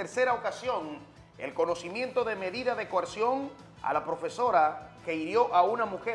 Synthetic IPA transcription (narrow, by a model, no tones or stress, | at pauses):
eɾse̞ɾaokasjo̞ŋ | e̞̰lko̞no̞simje̞nt̪o̞ðe̞me̞ðiðaðe̞koaɾsjo̞ŋ | a̰lapɾo̞fe̞so̞ɾake̞iɾjo̞ʔaunamuxe